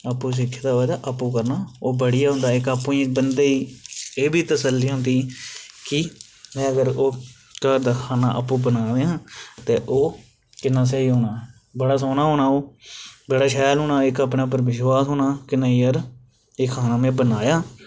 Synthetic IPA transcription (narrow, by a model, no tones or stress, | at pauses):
əpːũs̬ɪkʰːt̪aːʋəːd̪aːʔəpːũːkəɾnaːoːbəɽɪjaːɦʊ̃nd̪aːɪkapːũːiːɪk̚bənd̪eːiːeːbiːt̪əsəlːiːɦʊ̃nd̪iːkɪ | mɛ̃ːəɡəɾoː | kəɾd̪aːkʰaːna̰ːʔə̰pːũːbənaːʋeːãːt̪eːʔoː | kɪnːãːs̬eiːɦoːnaː | bəɽaːs̬oːnaːɦoːnaːoːbəɽaːʃɛːlɦʊːnãːɪkapnãːp̬əɾʋɪʃwaːsɦoːnaːkɪnaːiːəɾ | ɪkʰːaːnaːmẽːbənaːjaː